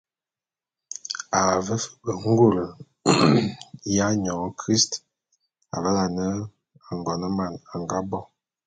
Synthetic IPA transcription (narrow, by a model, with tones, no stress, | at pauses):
a˨və˦fə̥˦bə˨ŋ̩˦ɡo˦˨lə˨ | ja˦ɲɔ˨ŋə˦kɾi˦st | a̰˨lə˦la˨nə˦ | a˨ŋ˨ɡɔ˨nə˦ma˨na˨ŋɡa˦bɔ˦